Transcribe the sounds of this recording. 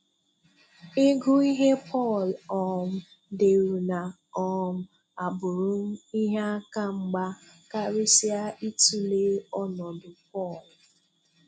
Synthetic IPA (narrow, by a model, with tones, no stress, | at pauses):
e˦ɡu˦i˦ɦe˦pʰɔ˦˨lɔ˨ŋʊ˦ | de˨ɾu˨na˨ | ɔ˦ŋʊ˦ | a˨bʊ˨ɾʊ˦n̩˦i˦ɦe˦a˦ka˦ŋ͡m̩˦ɡ͡ba˦ka˦ɾi˦si˦a˦ʔi˦tu˦le˦ɔ˦nɔ˨dʊ˨pɔ˦˨l